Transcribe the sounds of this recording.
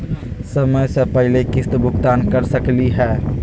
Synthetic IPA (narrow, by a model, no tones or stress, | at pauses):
səməjsẽpəɦɪlekɪst̪bʱʊɡt̪aːnkəɾsəkliɦɛː